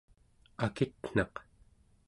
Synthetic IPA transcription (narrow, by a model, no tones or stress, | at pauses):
akit̪n̥ɑq